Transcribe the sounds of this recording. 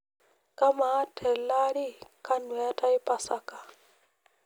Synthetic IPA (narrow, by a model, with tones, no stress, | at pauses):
kʼa˦maː˨˦tʼʰɛ˨la˦ɺi˦kʰʼa˦nwja˦tʼa˦i˦pʼa˦sa˦kʼa˨